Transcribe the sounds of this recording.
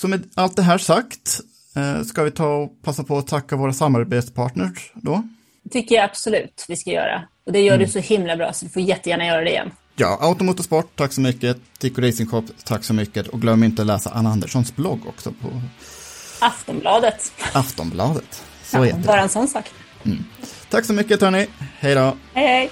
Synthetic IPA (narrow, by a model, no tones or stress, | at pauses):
sɔmɛd̪alt̪̚d̪ɛɦæːʂakt̪ː | skavɪt̪ʰɑːɔpʰasːapʰɔːt̪ʰakːavoːɾasamːaɾbeːt̪spʰɑːʈɳəʂɖ̪ɔ | t̪ʰʏkːəɾjaab̥sɔlʉ̟ːt̪vɪskajœ̰ːɾa̰ | ɔd̪ɛjœːɖɵsɔhɪmlabɾɑ̰ːsɔd̪ɪfoːjɛt̪ːəjæːɳajœːɾad̪ɛɪjɛ̰nː | jɑ̰ːʔaʊt̪ɔmuːt̪ːɔspɔʈtʰːakːsɔmʏkːəd̪ɪkːɔɾɛɪsɪŋɧɔpːt̪ʰakːsɔmʏkːət̪ɔk̚ɡlœmːɪnt̪əlɛːsa̰ʔanand̪əʂɔnsblɔɡːɔ̰ksɔ̰pʰɔ̰ | aft̪ɔmblɑːd̪ət̪aft̪ɔmblɑːd̪ət̪ | sɔɛ̰vɑːɾaɛnsɔnːsɑːk | m̩ːt̪ʰakːsɔmʏkːət̪ʰɑːɳɪhɛjd̪oːhɛj